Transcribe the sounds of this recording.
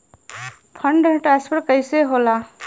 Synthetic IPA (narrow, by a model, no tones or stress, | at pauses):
pʰə̃ɳɖʈɾãːspʰəɾʈkəiseɦoːlaː